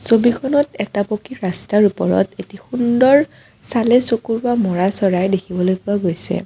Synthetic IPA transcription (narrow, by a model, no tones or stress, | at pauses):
sobikʰɔnɔtɛtapokiɹastaɹupɔɹɔ̰tetixundɔɹ | salɛsokuɹbamɔɹasɔɹajdekʰibɔlojpʊaɡojsɛ̰